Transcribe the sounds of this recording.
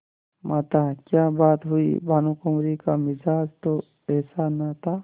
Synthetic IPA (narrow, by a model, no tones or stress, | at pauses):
mʔat̪akjaːbaːt̪ɦuḭbʱanukəmɾikamɪd͡ʒaːd͡ʒt̪o | ɛːsanat̪ʰaː